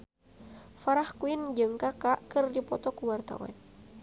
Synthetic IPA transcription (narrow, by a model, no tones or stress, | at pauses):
faɾahkuind͡ʒɨŋkakaʔkɨrdipɔt̪ɔkuwart̪a̰wa̰n